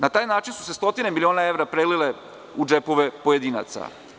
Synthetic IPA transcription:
nat̪aːjnaːt͡ʃinsu̥se̞st̪o̞t̪ine̞milio̞ːnae̞ʋɾapɾelile | ud͡ʒepo̞ʋe̞pojed̪iːna̰t̪sa̰

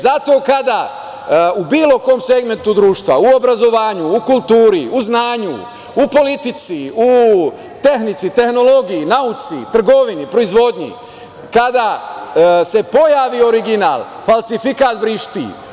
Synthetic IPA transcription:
zat̪o̞ːkad̪a | ubiːlo̞ko̞ːmse̞ɡme̞nt̪ud̪ɾuːʃt̪ʋa̰uo̞bɾazo̞ʋaːɲuːkulˠt̪uːɾiuznaːɲṵː | po̞lit̪it̪siu | t̪e̞xnit̪sit̪e̞xno̞lo̞ɡijinaut̪sḭt̪r̩ɡo̞ʋinipɾo̞izʋo̞d̪ɲḭ | kad̪a | se̞po̞jaːʋio̞ɾiɡina̰ːlˠ | falˠsifikaːt̪bɾiʃt̪ḭ

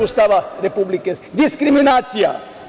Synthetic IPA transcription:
ust̪aʋaɾepublikesd̪iskɾiminaːsija̰

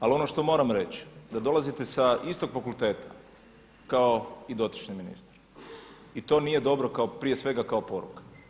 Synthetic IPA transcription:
alo̞no̞ʃt̪o̞mo̞ːɾamɾe̞t͡ɕi̥d̪ad̪o̞lˠazit̪e̞saist̪o̞ɡfakulˠt̪e̞ːt̪ʰḁ | kao̞id̪o̞t̪i̥t͡ʃɲiminḭst̪ḁɾ | it̪o̞nije̞d̪o̞bɾo̞kaopɾije̞sʋe̞ɡakao̞po̞ɾṵkḁ

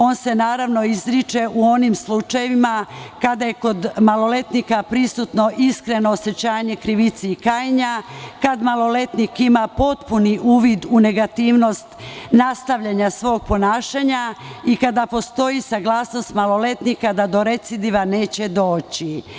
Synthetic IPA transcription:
o̞ːnse̞naːɾaʋno̞izɾit͡ʃe̞ʔuo̞nimslut͡ʃajeʋimakad̪aje̞ko̞d̪malo̞le̞t̪nikapɾisut̪no̞ʔiskɾe̞no̞ːse̞t͡ɕaːɲe̞kɾiʋit̪siːkaːjiɲakad̪malˠo̞le̞t̪nikimapo̞t̪puniʔuːʋid̪une̞ɡat̪iːʋno̞st̪nast̪aʋʎaɲasʋo̞ːɡ̚po̞naːʃaɲaikad̪apo̞st̪o̞jisaɡlˠaːsno̞st̪malo̞le̞t̪nikad̪ad̪o̞ɾe̞t̪sid̪iʋaneːt͡ɕe̞d̪o̞ːt͡ɕi

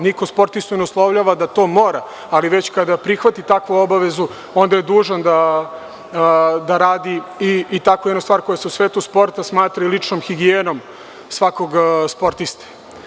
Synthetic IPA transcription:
nikospo̞ɾt̪ist̪oneuslˠoʋʎaʋad̪at̪o̞ːmoːɾa | aliʋet͡ɕkad̪apɾixʋat̪it̪akʋuo̞baʋezu | o̞nd̪ajed̪uːʐand̪a | d̪aɾaːd̪iiːt̪akojed̪nost̪aːɾko̞jaseusʋeːt̪uspo̞ɾt̪asmaːt̪ɾailit͡ʂnomxiɡienom | sʋako̞ɡspo̞ɾt̪ist̪ḁ

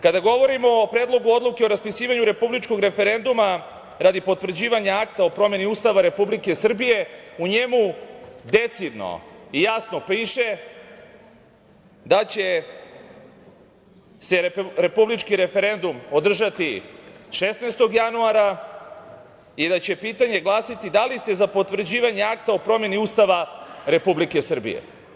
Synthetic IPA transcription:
kad̪aɡo̞ʋo̞ɾimoːpɾed̪lˠo̞ɡuo̞d̪lˠuke̞o̞ɾaspisiːʋaɲuɾe̞publit͡ʃko̞ɡɾe̞fe̞ɾe̞nd̪uma | ɾad̪ipo̞t̪vr̩d͡ʑiːʋaɲaakt̪aopɾo̞me̞niuːst̪aʋaɾe̞publike̞sr̩bije̞uɲemud̪et̪sid̪no̰ijasno̞piːʃe | d̪at͡ɕe̞ | se̞ɾepublit͡ʃkiɾe̞fe̞ɾe̞nd̪umo̞d̪r̩ʒat̪iʃesnejst̪oɡjanuaɾa | id̪at͡ɕe̞piːt̪aɲe̞ɡlˠaːsit̪id̪alist̪e̞zapo̞t̪ʋr̩d͡ʑiːʋaɲeakt̪aopɾo̞mje̞niuːst̪aʋaɾe̞publike̞sr̩bḭjḛ

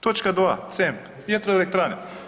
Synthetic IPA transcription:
t̪ot͡ʃkad̪ʋaːt̪semp | jet̪ɾoelek̚t̪ɾaːne

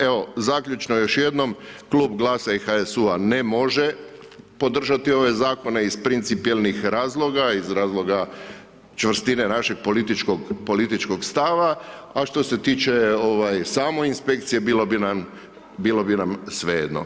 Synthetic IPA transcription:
eo̞zakʎʲut͡ʃnojo̞ʃje̞d̪no̞mkluːbɡlˠaːsaixaesuane̞mo̞ʒe | po̞d̪r̩ʒat̪io̞ʋe̞zaːko̞ne̞izpɾint̪sipielnixɾaːzlˠo̞ɡaizɾaːzlˠo̞ɡa | t͡ʃʋr̩st̪inenaʃe̞ɡ̚polit̪it͡ʃkoɡpo̞lit̪it͡ʃko̞ɡst̪aʋaaʃt̪o̞se̞t̪iːt͡ʃeo̞ʋajsaːmo̞inspe̞k̚t̪sije̞bilobina | biːlo̞binamsʋejḛd̪no̰

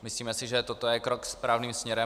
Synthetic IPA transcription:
mɪsliːmɛsɪʒɛt̪ot̪ojɛkɾokspɾaːvniːmsmɲɛɾɛ

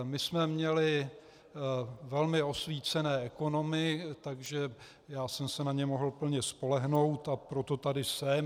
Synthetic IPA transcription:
mɪsmɛmɲɛlɪ | vɛlmɪo̞sviːt͡sɛnɛːɛko̞no̞mɪt̪aɡʒɛ | jaːsɛmsɛnaɲɛmo̞ɦl̩pl̩ɲɛspo̞lɛɦno̞wt̪apɾo̞t̪o̞t̪adɪsɛm

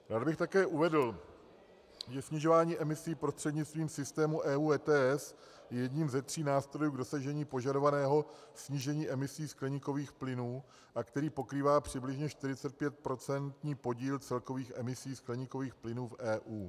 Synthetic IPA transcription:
ɾaːd̪bɪxt̪akɛːʔuvɛdl̩ | ʒɛsɲɪʒo̞vaːɲiːʔɛmɪsiːpɾost̪r̥ɛdɲɪt͡st̪viːmsɪst̪ɛːmuʔɛːuːɛːt̪ɛːɛs | jɛjɛdɲiːmzɛt̪r̝̥iːnaːst̪ɾo̞juːɡdo̞saʒɛɲiːpo̞ʒado̞vanɛːɦo̞sɲiʒɛɲiːʔɛmɪsiːsklɛɲɪkoviːxplɪnuː | ʔakt̪ɛɾiːpo̞kɾiːvaːpr̝̥ɪblɪʒɲɛʃt̪ɪɾɪt͡sɛt̪̚pjɛt̪̚pɾo̞t͡sɛnt̪ɲiːpo̞ɟiːlt͡sɛlko̞viːxʔɛmɪsiːsklɛɲɪko̞viːxplɪnuːfʔɛːʔuː

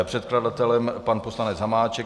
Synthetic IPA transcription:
pr̝̥ɛt̪̚kladat̪ɛlɛmpanpo̞slanɛd͡zɦamaːt͡ʃɛ

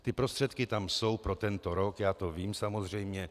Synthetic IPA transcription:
t̪ɪpɾɔst̪r̥ɛt̪kit̪amsowpɾɔt̪ɛnt̪ɔɾɔkjaːt̪oviːmsamozr̝ɛjmɲɛ

